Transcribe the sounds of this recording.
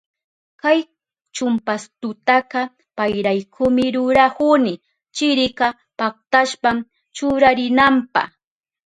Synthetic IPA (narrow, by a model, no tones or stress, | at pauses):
kaj | t͡ʃʊmpast̪ʊt̪akɑ | pajɾajkʰʊmɪɾʊɾahʊnɪ | t͡ʃɪɾɪkɑ | pak̚t̪aʃpam | t͡ʃʊɾaɾɪnampɑ̰χ